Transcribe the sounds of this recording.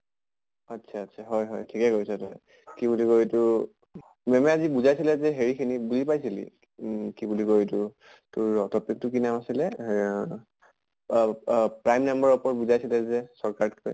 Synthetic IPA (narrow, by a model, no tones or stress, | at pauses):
atːsʰaːtːsʰaɦɔjɦɔjtʰikɛkojsɛtɔ | kibulikojitʊ | mɛmɛazibuzajsilɛzɛɦeɹikʰinibuzipajsilḭ | kibulikoitʊ | tʊɹɔtʰɔpik̚tʊkinamasilɛ | pɹajmnambaɹupɔɹbuzajsilɛzɛsɔɹkaɹtkɔ̰j